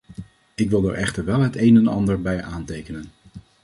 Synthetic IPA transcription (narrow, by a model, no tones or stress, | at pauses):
ɪkʋɪlˠdə̰ɹʔɛχtəɹʋɛlˠɦətejnɛnɑndəɹbɛjʔaːntejkənən